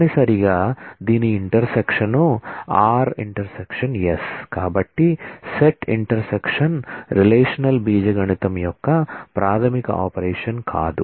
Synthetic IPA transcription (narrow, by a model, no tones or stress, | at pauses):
nisɐɾiɡɐd̪iniːɳʈɐɾsekʂɐnuaːɾḭɳʈɐɾsekʂɐnjeskaːbɐʈːiseʈiɳʈɐɾsekʂɐnɾileːʂɐnɐlbiːd͡ʒɐɡɐɳit̪ɐmjɔkːɐpɾʔaːt̪ʰɐmikɐ̰ʔa̰ːpɐɾeːʂɐnkʰa̰ːd̪u